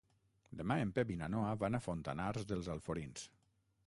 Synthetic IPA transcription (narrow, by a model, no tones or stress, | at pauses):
d̪emaempeβinanoaβanafont̪anaɾzðəlˠzalˠfoɾins